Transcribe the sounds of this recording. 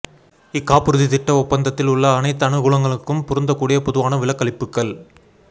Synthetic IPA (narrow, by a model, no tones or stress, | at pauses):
ɪkːaːpɯɾɯðɪt̪ɪʈːɐɔpːɐnd̪ɐt̪ːɪlʊɭːɐːnɐɪt̪ːɐnɯɡʊlɐŋɡɐɭɯkːɯmpʊɾɯnd̪ɐkːuːɽɪjɐpɔðɯʋaːnɐʋɪlɐkːɐɭɪpːɯkːɐɭ